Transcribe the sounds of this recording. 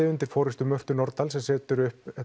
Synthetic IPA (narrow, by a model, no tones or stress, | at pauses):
ɪʏnt̪ɪɾ̥fɔːɾɪst̪ʏmœr̥t̪ʏnɔɾt̪alsɛmsɛːt̪ʏɾʏhpɛ